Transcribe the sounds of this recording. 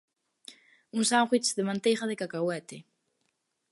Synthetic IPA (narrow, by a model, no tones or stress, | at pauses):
unsaŋχwit͡sðemant̪ejχaðekakawɛt̪e